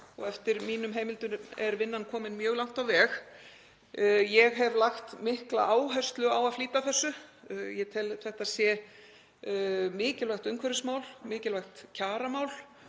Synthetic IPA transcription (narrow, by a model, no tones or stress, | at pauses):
ɔɣɛft̪ɪɾmiːnʏmɦeːjmɪlt̪ʏɛɾvɪnːankʰɔːmɪnmjœːɣlawŋ̥t̪awvɛːx | jɛɣɦɛvlaxt̪mɪhklaʔaːwɦœɥst̪lʏawaðfliːt̪aθɛsːʏjɛt̪ʰɛlθɛht̪aðsjɛ | mɪːcɪlvaxt̪ʏmkʰvɛɾɪsmaːwlmɪːcɪlvajxt̪cʰaːɾamaːwl̥